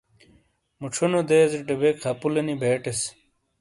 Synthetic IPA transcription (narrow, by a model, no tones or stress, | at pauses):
muʈ͡ʂʰonod̪eːzeʈebekʰːɐpulɐnibeːʈes